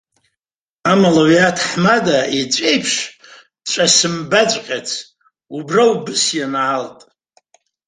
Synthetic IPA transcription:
amalaɥatʰħmadait͡ʃʷʼejpʰʂʷ | t͡ʃʷʼasɨmbat͡ʃʷʼqʲʼat͡sʰ | ubrawbɨsjanaltʼ

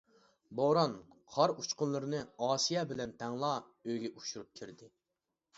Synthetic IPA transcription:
boɾɑnqʰɑɾut͡ʃqʊnlˠɨɾɨnɨɑːsijɑbɪlɛnt̪ʰɛŋlˠɑ | øjɡʲɛʔuʃuɾup̚kʲʰiɾd̪ɪ

